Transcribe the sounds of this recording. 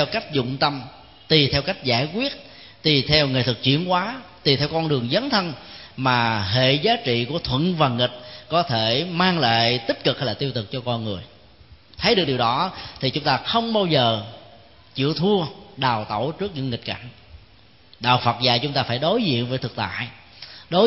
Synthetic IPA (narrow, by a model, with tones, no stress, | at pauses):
ɛ˧wka˦˥jk̟̚zʊ̰˧˨ŋ͡mt̪ə˧m | t̪i˨˩t̪ʰɛ˧wka˦˥jk̟̚zaː˧˩jkwi˦˥ət̚ | t̪i˨˩t̪ʰɛ˧wŋe˨˩t̪ʰɨ˨˩k̚t͡ɕḭ˧˨ənkwaː˨˦t̪i˨˩t̪ʰɛ˧wkɔ˧nɗɨ˨˩əŋzə˨˦nt̪ʰə˧nmaː˨˩ɦḛ˧˨zaː˨˦t͡ɕḭ˧˨ku˧˩ət̪ʰwə̰˧˨nvaː˨˩ŋï˨˩t̟̚kɔ˨˦t̪ʰe˧˩maː˧ŋla̰ː˧˨jt̪i˦˥p̚kɨ˨˩k̚ha˧jlaː˨˩t̪i˧əwt̪ɨ˨˩k̚t͡ɕɔ˧kɔ˧nŋɨ˨˩əj | t̪ʰə˨˦jɗɨ˨˩əɗi˨˩wɗɔ˨˦t̪ʰi˨˩t͡ɕʊ˨˦ŋ͡mt̪aː˧xə˧wŋ͡mɓaː˧wzəː˨˩ | t͡ɕḭ˧˨əwt̪ʰu˧əɗaː˨˩wt̪o˧˩t͡ɕɨ˦˥k̚ɲɨ̰˧ŋi˨˩t̚ka̰˧˩ŋ̟ | ɗa̰ː˧˨˩wfə˨˩t̚za̰ː˧˩jt͡ɕʊ˨˦ŋ͡mt̪aː˧faː˧˩jɗo˨˦jzḭ˧˨ənvəː˨˦jt̪ʰɨ˨˩k̚t̪a̰ː˧˨j | ɗo˨˦